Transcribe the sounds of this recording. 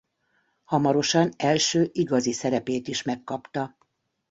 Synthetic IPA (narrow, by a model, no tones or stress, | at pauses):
hɒmɒɾo̞ʃɒnɛlʃøːʔiɡɒzisɛɾɛpeːt̪iʃmɛkːɒpt̪ɒ